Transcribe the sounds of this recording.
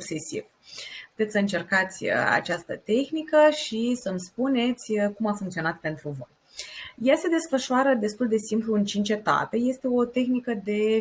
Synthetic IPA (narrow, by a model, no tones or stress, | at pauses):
sukse̞sḭv | pu̥t̪esəɨnt͡ʃe̞rkat̪sʲə̰a̰t͡ʃast̪ət̪e̞xnikəʃisəmspune̞t̪sʲkumafuŋkt̪sio̞nat̪̚pe̞nt̪ɾuvo̞̰j | jase̞d̪e̞sfəʃuaɾəd̪e̞st̪uld̪e̞simpluɨnt͡ʃint͡ʃe̞t̪a̰pe̞je̞st̪e̞o̞t̪e̞xnikəd̪e̞